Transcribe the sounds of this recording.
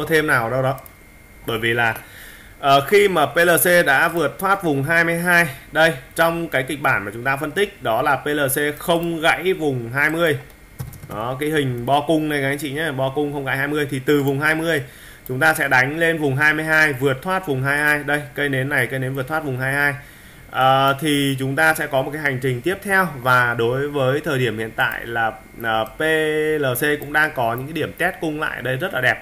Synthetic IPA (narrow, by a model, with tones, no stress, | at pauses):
t̪ʰe˧mnaː˨˩wɗə˧wɗɔ˨˦ | ɓəː˧˩jvi˨˩laː˨˩ | ʔəː˨˩xi˧maː˨˩pe˧ləː˧˩se˧ɗa̰ː˧˥vɨ˨˩ət̚t̪ʰwaː˦˥t̚vʊ˨˩ŋ͡mɦaː˧jmɨ˧əjɦaː˧jɗə˧jt͡ɕɔ˧wŋ͡mkaː˨˦jkï˨˩k̟̚ɓaː˧˩nmaː˨˩t͡ɕʊ˨˦ŋ͡mt̪aː˧fə˧nt̪ï˦˥k̟̚ɗɔ˨˦laː˨˩pe˧ləː˧˩se˧xə˧wŋ͡mɣa̰˧˥jvʊ˨˩ŋ͡mɦaː˧jmɨ˧əj | ɗɔ˨˦kaː˨˦jhï˨˩ŋ̟ɓɔ˧kʊ˧ŋ͡mnə˧jkaː˨˦˧ŋt͡ɕḭ˧˨ɲa˨˦ɓɔ˧kʊ˧ŋ͡mxə˧wŋ͡mŋɣa̰˧˥jhaː˧jmɨ˧əjt̪ʰi˨˩t̪ɨ˨˩vʊ˨˩ŋ͡mɦaː˧jmɨ˧əj | t͡ɕʊ˨˦ŋ͡mt̪aː˧sɛ̰˧˥ɗa˨˦jŋ̟le˧nvʊ˨˩ŋ͡mɦaː˧jmɨ˧ə˧jɦaː˧jvɨ˨˩ət̚t̪ʰwaː˦˥t̚vʊ˨˩ŋ͡mɦaː˧jhaː˧jɗə˧jkə˧jne˨˦nːa˨˩jkə˧jne˨˦nvɨ˨˩t̪ʰwa˦˥t̚vʊ˨˩ŋ͡mɦaː˧jhaː˧j | ʔəː˨˩t̪ʰi˨˩t͡ɕʊ˨˦ŋ͡mt̪aː˧sɛ̰˧˥kɔ˨˦m˨˩tka˨˦ɦa˨˩ŋ̟t͡ɕï˨˩ŋ̟t̪i˦˥əp̚t̪ʰɛ˧wvaː˨˩ɗo˨˦jvəː˨˦jt̪ʰəː˨˩jɗi˧˩əmhḭ˧˨ənt̪a̰ː˧˨jlaː˨˩ | ʔəː˨˩pe˧ləː˨˩se˧kʊ̰˧˥ŋ͡mɗaː˧ŋkɔ˨˦ɲɨ̰˧˥kaː˨˦ɗi˧˩əmt̪ɛ˦˥t̚kʊ˧ŋ͡mla̰ː˧˨jʔɗə˧jzə˦˥t̚laː˨˩ɗɛ˨˩p̚